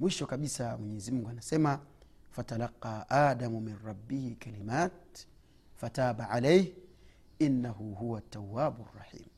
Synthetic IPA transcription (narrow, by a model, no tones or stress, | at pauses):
mwiʃɔkaɓisamwɛɲɛzimuŋɡuanasɛmafatalɑqːɑːʔaːdamuminɾˤɑbːihikalimaːt̚ | fataːɓaʕalɛjh | inːaɦuɦuwat̪ːawːaːɓurːɑ̰ħḭːm